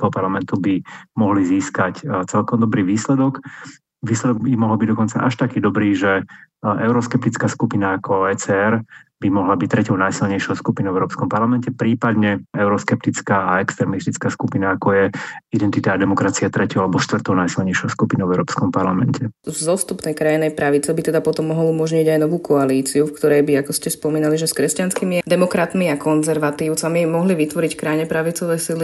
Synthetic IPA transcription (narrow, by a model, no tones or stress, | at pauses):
pɔpaɾlamɛnt̪ubimɔɦliziːskact͡sɛlkɔmd̪ɔbɾiːʋiːslɛd̪ɔk | ʋiːslɛd̪ɔɡbimɔɦɔlbiɟd̪ɔkɔnt͡sa̰ʔaʃt̪akiːd̪ɔbɾiːʒɛʔɛʊɾɔskɛp̚t̪it͡skaːskupinaːkɔɛt͡sɛɛɾbimɔɦlabic̚t̪ɾɛcɔʊnajsilɲɛjʃɔʊskupinɔʊɛʊɾɔːpskɔmpaɾlamɛncɛpɾiːpad̪ɲɛɛʊɾɔskɛp̚t̪it͡skaːaɛkst̪ɾɛmist̪it͡skaːskupinaːkɔjɛid̪ɛnt̪it̪aːd̪ɛmɔkɾat͡siat̪ɾɛcɔalɛbɔʃt̪ʋr̩t̪ɔʊnajsilɲɛjʃɔʊskupinɔʊvɛʊɾɔːpskɔmpaɾlamɛncɛzɔst̪upnɛjkɾajinɛjpɾaʋit͡sɛbit̪ɛd̪apɔt̪ɔmːɔɦɔlumɔʒɲiɟajnɔʋuːkʰɔaliːt͡siufkt̪ɔɾɛjbiakɔscɛspɔmiːnaliʒɛskɾɛscanskimid̪ɛmɔkɾat̪miakɔnzɛɾʋat̪iːʊt͡samimɔɦliʋit̪ʋɔɾickɾajɲɛpɾaʋit͡sɔʋɛjsili